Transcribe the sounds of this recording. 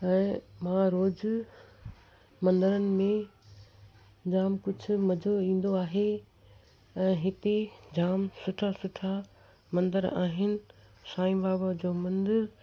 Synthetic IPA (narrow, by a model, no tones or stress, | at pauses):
ɛ̃ːmãɾoːd͡ʑ | mɐ̃nd̪əɾənɪ̆mẽ | d͡ʑaːmkʊd͡ʑʱʊ̆mɐd͡ʑʱoĩːn̆d̪oaːɦe | ɛ̃ːɦɪt̪ed͡ʑaːmsʊʈʰasʊʈʰa | mɐ̃nd̪əɾa̰ːɦɪnɪ̆ | saːĩmbaːbad͡ʑoːmɐ̃nd̪əɾ